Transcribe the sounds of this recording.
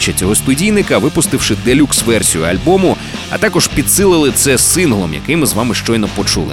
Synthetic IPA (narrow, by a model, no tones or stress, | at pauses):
t͡ʃɐt͡sʲɔɦɔst̪ʊdʲijnɪkɐʋɪpʊst̪ɪwʃɪd̪elʲuksʋɛrsʲijʊɐ̰lʲbɔmʊ | ɐ̰t̪ɑkɔʒpʲid̪sɪlˠɪlˠɪt̪sɛsɪnɦlˠɔmjɐ̰kɪjmɨzʋɑmɪʃt͡ʃɔjnɔpɔt͡ʃṵlˠɪ̰